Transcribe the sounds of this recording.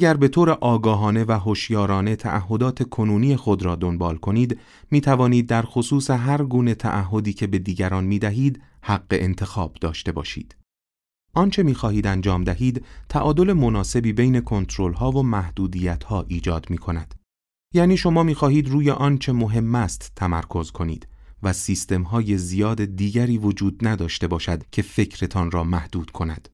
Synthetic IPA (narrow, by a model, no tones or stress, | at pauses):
ʔæɟæɾbe̞t̪ʰoːɾe̞ʔɒːɡɒːɦɒːne̞væɦoʃjɒːɾɒːne̞t̪ʰæ̰ʔæɦːo̞d̪ɒːt̪ʰe̞kʰonuːnijexo̞d̪ɾɒːd̪o̞nbɒːlkʰo̞niːd̪ | miːt̪ʰævɒːniːd̪̚ːæɾxosuːseɦæɾɡuːne̞t̪ʰæ̰ʔæɦːo̞d̪iːcʰe̞be̞d̪iːɟæɾɒːnmiːd̪æɦiːd̪ | hæɡːe̞̰ʔent̪ʰe̞xɒːb̥d̪ɒːʃt̪e̞bɒ̰ːʃḭːd̪̥ | ʔɒːnt͡ʃʰe̞miːxɒːhiːd̪ænd͡ʒɒːmd̪æɦiːd̪t̪ʰæʔɒːd̪o̞le̞mo̞nɒːse̞biːbe̞jne̞kʰo̞nt̪ʰɾolɦɒːvomæhd̪̥uːd̪iːjæt̪ʰhɒːʔiːd͡ʒɒːd̪miːkʰo̞næd̪̥ | jæːniːʃo̞mɒːmiːxɒːhiːd̪ɾuːjeʔɒːnt͡ʃʰe̞mo̞ɦe̞mːæst̪tʰːæmæɾkʰo̞zkʰo̞nḭːd̪̥væsiːst̪e̞mɦɒːje̞zijɒːd̪ed̪iːɟæɾiːvo̞d͡ʒuːd̪næd̪ɒːʃt̪e̞bɒːʃæd̪̥cʰe̞fe̞cʰɾe̞t̪ʰɒːnrɒːmæhd̪̥uːd̪̥kʰo̞næd̪̥